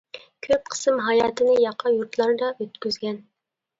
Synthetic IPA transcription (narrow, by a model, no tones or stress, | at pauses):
kʲʰøp̚qʰə̥sɨmɦɑjɑːt̪ʰɨnɨjɑqʰːɑjuɾt̪lˠɑɾd̪ɑøt̪kʲyzɡʲɛn